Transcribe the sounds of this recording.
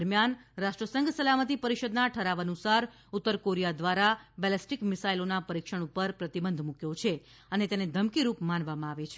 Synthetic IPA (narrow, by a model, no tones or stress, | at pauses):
ɾmjanɾaʃʈɾəsəŋɡsəlamət̪ipəɾiʃəd̪naʈʰəɾaʋənusaɾ | ut̪ːəɾkoɾijad̪ʋaɾabɛlɛsʈikmɪsailonapəɾikʃəɳ̃upəɾpɾət̪ibənd̪ʱmũkjot͡ʃʰe | ənet̪ened̪ʱəmkiɾupmanʋamãaʋet͡ʃʰ